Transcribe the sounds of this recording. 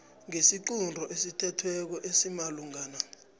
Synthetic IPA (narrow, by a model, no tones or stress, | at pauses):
ŋesiǃundʱɔʔesitʰɛtʰwɛk̬ɔʔesimaluŋaːna